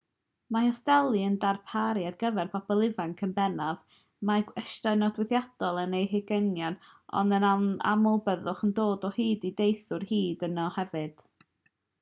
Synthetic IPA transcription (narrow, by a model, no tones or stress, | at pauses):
mahɔstɛlˠiəndarpʰaɾiarɡəvɛrbʰabɔlˠɪvaŋkʰənbɛnav | maɡwɛʃtaɨnɔdwɪðjad̥ɔlˠənejɦɪɡənjɔn | ɔ̰ndənaa̰mʊlˠbəðʊχəndoːdɔhiːdidejθʊrhiːdənɔhɛvɨd̥